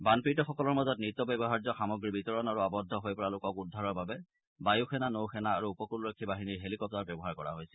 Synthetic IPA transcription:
banpitɔxɔkɔlɔɹmazɔt̚nit̪ːɔbɛbɔɦaɹzɔxamɔɡɹibitɔɹɔnaɹuabɔdʱːɔɦojpɔɹalʊkɔkudʱːaɹɔɹbabɛ | bajuxɛnanowxɛnaːɹuːpɔkulɹɔkʰːibaɦiniɹɦelikɔp̚taɹbɛbɔɦaɹkɔɹa̰ɦojsɛ̥

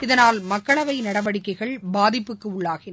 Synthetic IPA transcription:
ɪðɐnaːlmɐkːɐɭɐʋɐɪnɐɽɐʋɐɽɪkːɐɪɣɐɭbaːðɪpːɯkːɯʊɭːaːɣɪn

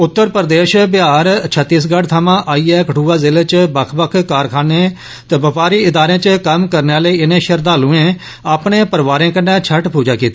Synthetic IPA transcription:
ʊt̪ːəɾpəɾd̪eːʃbɪjaːɾt͡ʃʰət̪ːiːs̬ɡəɖt̪ʰaːmãːʔaːiːɛːkəʈʰuːaːzɪleːt͡ʃbəkʰbəkʰkaːɾkʰãːneː | t̪eːbəpaːɾiːɪd̪aːɾẽːt͡ʃəkəmkəɾnaːləiːɪnẽːʃəɾd̪aːlũːẽː | aːpɳeːpəɾʋaːɾẽːkənːɛːt͡ʃʰəʈpuːd͡ʒaːkiːt̪aː

